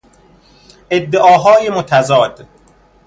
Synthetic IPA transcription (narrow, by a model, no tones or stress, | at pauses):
ʔed̪ːeʔɒːɦɒːjemot̪ʰæzɒːd̪̥